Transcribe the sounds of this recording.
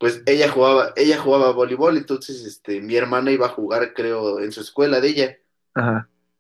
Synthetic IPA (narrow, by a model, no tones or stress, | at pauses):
pweseʝaxuɣaβaʔeʝaxuɣaβaβoliβolent̪onsesest̪emie̞ɾmãnaiβaːxuɣaɾkɾeoensueskwe̞laðeʝa | aha